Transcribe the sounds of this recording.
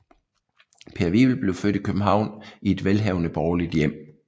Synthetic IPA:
pʰe̝ɐʋil̩b̥le̝ʊfød̥ikʰøb̥m̩ɦɑ̈ʊ̰nie̝d̥ʋelɦɛʊnəb̥ɒːlid̥jem̰

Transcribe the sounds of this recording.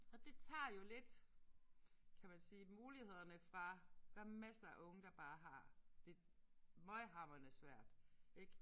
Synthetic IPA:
ɒ̽d̥e̝t͡sʰɑ̰̈ːjo̝le̝d̥ | kʰæmænsiːmuːlihe̝ð̞̰ˠɐnəfʁɑ̈d̥æmæsɐʔɔ̽ŋəd̥ɑ̈b̥ɑ̈ːɦɑ̈d̥e̝ | mɒɪɦɑ̈mɐnəsʋæɐ̰d̥eɡ̥

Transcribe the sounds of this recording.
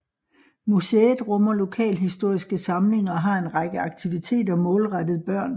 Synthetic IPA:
museːð̩ˠʁɔ̽mɐlo̝kʰɛ̰ːlɦisd̥o̝ɐ̰isɡ̥əsɑ̈mle̝ŋɐːɦɑ̈e̝nʁɑ̈ɡ̥əɑ̈ɡ̥̚t͡sʰiʋit͡sʰe̝̰ːdɐmɔ̽ːlʁɑd̥ð̞̩ˠb̥ɶɐ̰n

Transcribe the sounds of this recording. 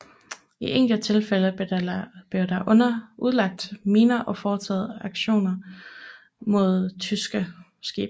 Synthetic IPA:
iʔeŋ̰ɡ̥l̩t͡sʰe̝lfelə | b̥leʊd̥ɑʔɔnɐʔuð̞ˠlɑ̈ɡ̥̚d̥miːnɐʔɒ̽fɒːt͡sʰɛ̰ːð̩ˠɑ̈ɡ̥ɕo̝̰ːnɐ | mo̝ð̞̰ˠt͡sʰysɡ̥ə | sɡ̥ḭːb̥

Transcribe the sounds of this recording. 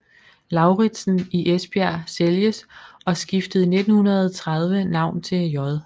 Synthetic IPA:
lɑ̈ʊʁid̥sn̩iʔesb̥iæseljəsɒ̽sɡ̥ifd̥əð̩ˠne̝d̥n̩hunɐð̞̩ˠt͡sʰʁað̞ˠʋənɑ̈ʊ̰nt͡sʰe̝jɒðˠ

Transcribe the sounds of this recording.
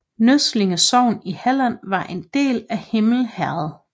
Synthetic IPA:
nøsle̝ŋəsɒʊ̰nihælænʋɑ̈ʔe̝nd̥e̝̰ːlæhe̝ml̩hæɐð̩ˠ

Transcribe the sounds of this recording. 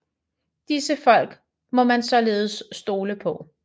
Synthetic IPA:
d̥isəfɒ̽l̰ɡ̥ | mɒ̽mænsɒ̽le̝ːð̞̩ˠəsːd̥o̝ːləpʰɒ̽

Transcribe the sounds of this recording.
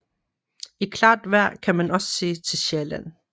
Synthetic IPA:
ikʰlɑ̈ːd̥ʋæɐ̰kʰæmænɒ̽sə̥se̝̰ːt͡sʰe̝lɕelæn̰

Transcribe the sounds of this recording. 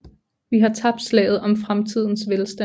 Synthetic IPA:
ʋiɦɑ̈t͡sʰɑ̈b̥slɛ̰ːɪðˠɒ̽mfʁamt͡sʰið̞̰ˠn̩sʋelsd̥æ

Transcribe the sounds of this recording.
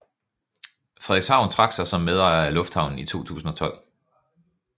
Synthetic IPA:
fʁɛðˠeɡ̥shɑ̈ʊ̰nt͡sʰʁɑ̈ɡ̥sɑ̈ɪsɒ̽mːeðˠɑælɔ̽fd̥hɑ̈ʊnn̩it͡sʰo̝̰ːt͡sʰṵːsn̩ɒ̽t͡sʰɒ̽l̰

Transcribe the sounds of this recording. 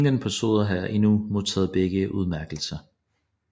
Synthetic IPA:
ŋd̥ənpʰæso̝̰ːðˠɐɦɑjʔe̝numo̝ðˠt͡sʰɛ̰ːð̩ˠb̥eɡ̥əʔuð̞ˠmæɐɡ̥l̩sɐ

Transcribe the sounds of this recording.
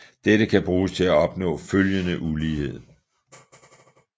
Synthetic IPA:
d̥eɾəkʰæb̥ʁuːst͡sʰe̝læɒ̽b̥nɔ̰̽ːføljənəʔuliːhe̝ð̞̰ˠ

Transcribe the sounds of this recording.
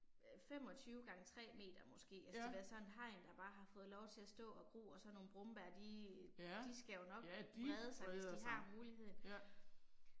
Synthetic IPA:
fem̰ɒ̽t͡sʰyːʊɡ̥ɑ̈ŋət͡sʰʁɛ̰ːme̝̰ːd̥ɐmɔ̽sɡ̥e̝̰ːæ̥eʋæːɐsɒ̽nenɦɑ̈ɪ̰nd̥ɑ̈b̥ɑ̈ːɦɑ̈fɔ̽ːð̞̩ˠlɒʊt͡sʰe̝læsd̥ɔ̰̽ːɒ̽ɡ̥ʁo̰ːɒ̽sɒ̽nːo̝ːn̩b̥ʁɔmb̥æɐd̥i | d̥isɡ̥æjo̝nɒ̽ɡbɛːð̞ˠəsɑ̈ɪesdiɦɑ̈muːliɦe̝ð̰ˠn̩

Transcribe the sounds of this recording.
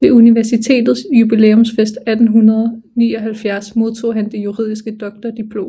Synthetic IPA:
ʋe̝uniʋæɐsit͡sʰe̝̰ːd̥ð̞̩ˠsjub̥ileːɔmsfesd̥æd̥n̩ɦunɐðˠɒnḭːɒ̽ɦælfjæɐsmo̝ð̞ˠt͡sʰo̝̰ːɦænd̥e̝juʁḭð̰ˠisɡ̥əd̥ɒ̽ɡ̥̚d̥ɐd̥ipʰlo̝̰ː

